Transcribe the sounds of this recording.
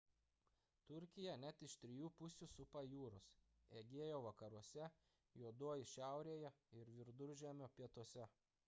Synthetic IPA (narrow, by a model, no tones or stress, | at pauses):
t̪ʊɾʲkʲɪjɛnʲɛt̪ɪʃt̪ʲɾʲɪjuːpʊsʲuːsʊpɑjuːɾʊs | eːɡʲeːjoːʋɐkɐɾuɔsʲɛ | juɔd̪uɔjɪʃʲæˑʊɾʲeːjɛɪɾʋʲɪɾd̪ʊɾʲʒʲæːmʲoːpʲiɛt̪uɔsʲɛ